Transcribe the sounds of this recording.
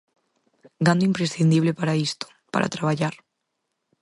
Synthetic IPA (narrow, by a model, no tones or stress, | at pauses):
ɡand̪oimpɾesθind̪iβ̞lepaɾaist̪o̥ | pa̰ɾa̰t̪ɾaβaʎaɾ